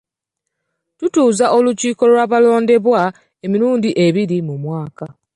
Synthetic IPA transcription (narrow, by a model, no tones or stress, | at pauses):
tutuːzaʔo̞luciːko̞lwaːβalo̞ːnde̞βwa | emiɾuːndiʔe̞βiɾimumwaːka